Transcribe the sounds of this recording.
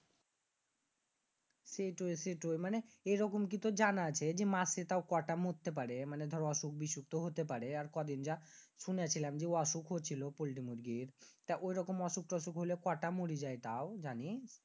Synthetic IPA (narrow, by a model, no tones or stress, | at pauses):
seʈojseʈojmaneejɾɔkomk̬it̪od͡ʑanat͡ɕʰed͡ʑemaset̪aokɔʈamott̪ːep̬aɾemaned̪ʱɔɾɔʃuk̚biʃuk̚t̪oɦot̪epaɾeaɾkɔd̪ind͡ʑaʃuneat͡ɕʰilamd͡ʑeoɔʃukɦot͡ɕʰilopolʈimuɾɡiɾt̪ajʔojɾɔkomɔʃuk̚ʈɔʃukɦolekɔʈamoɾid͡ʑajt̪aod͡ʑanis